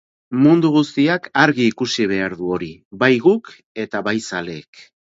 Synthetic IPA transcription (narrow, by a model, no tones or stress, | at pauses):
mund̪uɣ̞ust̪iakaɾɣiːkusiβ̞e̞aɾðuo̞ɾibajɣuk | e̞t̪aβajsale̞ːk